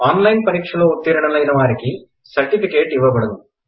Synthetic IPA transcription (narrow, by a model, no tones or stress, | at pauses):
aːnlɐjnpɐɾiːkʂɐloːut̪ːiːɾɐɳɐlɐjnɐʋaːɾiki | sɐɾʈipikeːʈiʋːɐbɐɽɐd̪u